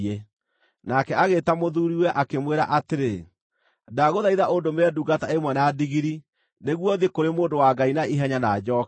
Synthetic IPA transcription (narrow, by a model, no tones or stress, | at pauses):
ɛ | nakɛaɣeːtamoðuɾiwɛʔakemweɾa̰ʔateɾe | daɣoðaiðaʔondomɛduɡataemwɛnadiɣiɾi | neɣwɔðekoɾemoːndowaɡainaiɦɛɲanad͡ʒɔk